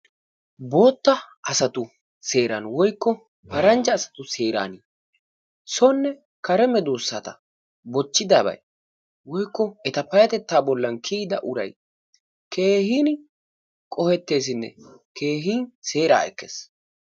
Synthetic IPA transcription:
bo̞ːt̪ːɐ | ɐsɐt̪ʊ | se̞ːɾɐnwɔjkːɔ | pɐɾɐnd͡ʒɐːsɐ̥t̪ʊse̞ːɾa̰ːni | sɔnːɛ | kɐɾɛmɛd̪oːsːaːt̪ɐ̰ | bɔt͡ʃːɪd̪aːbɐ̰j | wɔjkːɔɛt̪ɐpɐjɐt̪ɛt̪ːaːbɔlːɐnkʰiːd̪ɐʔʊɾɐ̰j | kʰe̞ːhiːn | kʼɔhɛt̪ːe̞ːs̬ɪnːɛ̰ke̞ːɦiːnse̞ːɾa̰ːɛ̰kːḛːs

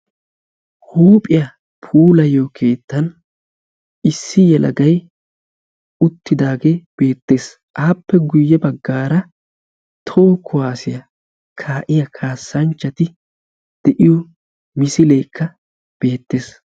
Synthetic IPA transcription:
huːpʼɪjɐ | pʰuːlɐjoːkʰe̞ːt̪ːɐn | ɪsːɪjɛlʔɐ̰ɡɐj | ʊt̪ːɪd̪aːɡe̞ːb̥e̞ːt̪ːe̞ːs | ʔaːpːɛɡʊjːɛbɐɡːaːɾɐ | t̪ʰo̞ːkʰʊwaːsɪjɐ | kʰaːʔɪjɐkʰaːsːɐnt͡ʃːɐt̪ɪ | d̪̥ɛʔɪjɔ | mɪsɪleːkʰːɐ | b̥e̞ːt̪ːe̞ːs

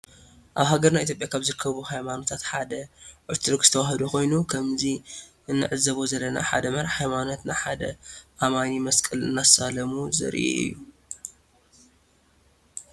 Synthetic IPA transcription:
ʔaβɦaɡɐɾnajʔit̪ʰʲjopʼjakʰaβzɨɾɨkʰːɐβuhajmanot̪ʰat̪ħad̪ɐʕɨɾt̪ʰɨɾkzɨ̥t̪ʰɐwaɦɨd̪uko̞jnukʰɐmzi | ɨnːɨ̰ʕɨzːɐβozɐlːɐna̰ħa̰d̪ɐmɐɾhajmano̞t̪naħad̪ɐ̰ʔamanimɐskʼɨlɨ̰nːasalɐmuzɨ̰ɾʔḭʔɨ̰jːu

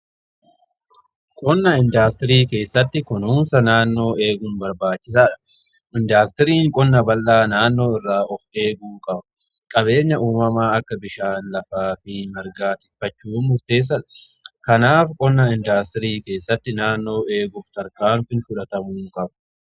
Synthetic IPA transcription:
kʼɔnːɐɪnd̪aːst̪ɪɾiːke̞ːsːɐt̪ːɪkʊnuːmsɐnaːnːo̞ːe̞ːɡʊnbɐɾbaːt͡ʃːɪs̬aːᶑɐ̥ | ʔɪnd̪aːst̪ɪɾiːŋkʼɔnːɐbɐlːaːnaːnːo̞ːɪrːaːʔɔfe̞ːɡuːkʼɐbɐ̥ | kʼɐbe̞ːɲːɐʔuːmɐmaːɐkːɐbɪʃaːnlɐfaːfɪmɐɾɡaːt̪ɪfɐt͡ʃːuːmʊɾt̪e̞ːs̬ːɐᶑɐ̥ | kɐnaːfkʼɔnːɐɪnd̪aːst̪ɪɾiːke̞ːsːɐt̪ːɪnaːnːo̞ːe̞ːɡʊft̪ɐɾkaːnfɪnfʊᶑɐt̪ɐmuːŋkʼɐbɐ̥

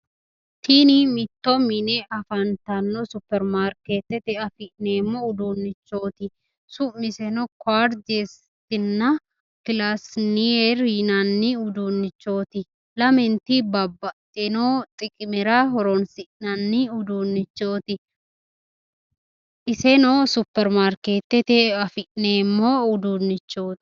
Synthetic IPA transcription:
t̪inɪmɪt̪ːɔminɛʔɐfɐnt̪ɐnːɔsʊpːɛɾmaːɾket̪ːɛt̪ɛɐfɪʔneːmːɔʊd̪uːnːɪt͡ʃːo̞ːt̪ɪ | sʊmɪsɛnɔkwaːɾd͡ʒes | t̪ɪnːɐ | kɪlasnieɾinɐnːɪʊd̪unːɪt͡ʃːo̞ːt̪ɪ | lɐmɛnt̪ibɐbːɐt̪ːɛnot̪ʼɪkʼɪmɛɾɐɦɔɾɔnsɪʔnɐnːɪʊd̪unːɪt͡ʃːo̞ːt̪ɪ | ʔɪsɛnosʊpːɛɾmaːɾkeːt̪ːɛt̪ɛɐfɪʔneːmːɔʊd̪unːɪt͡ʃːo̞ːt̪ɪ̥

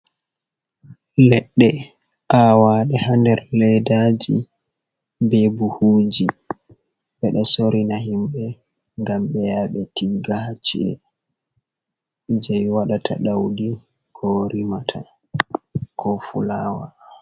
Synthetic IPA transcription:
lɛɗːɛ | ʔawaːɗɛhandɛɾlɛjdad͡ʒi | bɛbuhuːd͡ʒi | ɓɛɗɔsoɾinahimɓɛ | ŋɡamɓɛjaːɓɛtiɡat͡ʃiɛ̰ | d͡ʒɛjwaɗatʰa̰ɗawdi | koɾimatʰa | kʰɔfulaːwa

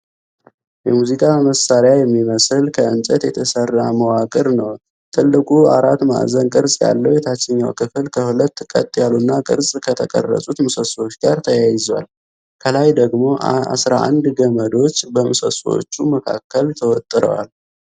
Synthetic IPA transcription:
jɛmuzikʼaməsaɾɪjajɛmːiməsɨlkʰəɨnsʼət̪jɛt̪ʰəsərːaməwakʼɨɾnəw | t̪ʰɨlːɨkʼua̰ɾat̪ma̰ʔzənkʼɨɾsʼja̰lːəwjɛt̪ʰat͡ʃːɪɲːawkʰɨfɨlkʰəhulət̪ːkʼə̰t̪ʼjalunːakʼɨɾsʼkʰət̪ʰəkʼə̰rːə̰sʼut̪mɨsəswot͡ʃːɡaɾt̪ʰəjajɪzwa̰l | kʰəlajd̪əɡmo̞a̰sɾa̰ʔa̰nd̪ɡəməd̪o̞t͡ʃːbəmɨsəswo̰t͡ʃːuməkʰa̰kːəlt̪ʰəwɔt̪ʼːɨɾə̰wa̰l

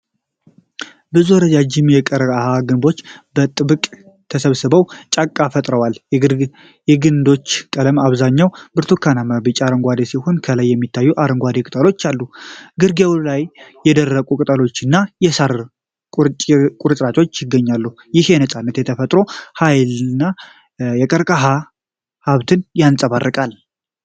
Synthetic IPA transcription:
bɨzuɾəd͡ʒad͡ʒɪmjɛkʼəɾəahaɡɨnbo̞t͡ʃːbət̪ʼɨbɨkʼ | t̪ʰəsəβsɨbəwt͡ʃʼakʼːafət̪ʼɾəwal | jɛɡɨnd̪o̞t͡ʃːkʼələmaβzaɲːawbɨɾt̪ʰukʰanaməbɨt͡ʃʼaɾəŋɡʷad̪esiho̞nkʰələjːɛmːit̪ʰːajːuʔaɾəŋɡʷad̪ekʼɨt̪ʼəlo̞t͡ʃːalːuɡɨɾɡewlajː | ɛd̪ərːəkʼukʼɨt̪ʼəlo̞t͡ʃːɨnːajɛsaɾ | kʼkʼuɾsʼɾat͡ʃʼo̞t͡ʃːjɪɡːəɲːalːu | jɪhenəsʼanːət̪jɛt̪ʰəfət̪ʼɾo̞hajlɨnːa | jɛkʼəɾkʼaɦa | haβt̪ʰɨnjansʼəβarːɨkʼal

